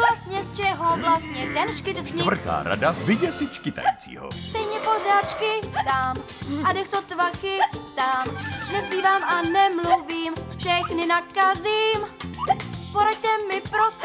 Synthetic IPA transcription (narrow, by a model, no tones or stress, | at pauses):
vlast̪ɲɛst͡ʃɛɦovlast̪̚ɲɛt̪ɛnt͡ʃkɪt̪zɲɪvr̩t̪a̰ːɾa̰dazvɪɟɛsɪt͡ʃkɪt̪a̰jit͡sḭːɦo̰st̪ɛjɲɛpor̝aːt̪t͡ʃkɪt̪amadɛxt̪ot̪vakɪt̪amnɛspiːvaːmanɛmluviːmfʃɛxnɪnakaziːm | poɾact̪ɛmːɪpɾos